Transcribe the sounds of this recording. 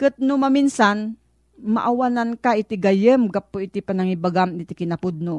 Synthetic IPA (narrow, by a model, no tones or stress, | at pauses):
kɨt̪̚nʊmaminsan | ma̰ʔawanankaʔit̪ɪɡajəmɡapːoit̪ipanaŋibaɡamɪt̪ɪkɪnapʊd̪̚no